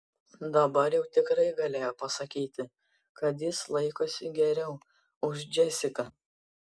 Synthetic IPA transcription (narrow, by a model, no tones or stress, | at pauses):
d̪ɐbɐɾjɛʊt̪ʲɪkɾɐɪɡɐlʲeːjoːpɐsɐkʲiːt̪ʲɪ | kɐt̪̬jɪslˠɐɪkoːsʲɪɡʲɛɾʲɛʊ | ʊʒd͡ʒʲɛsʲɪkɐ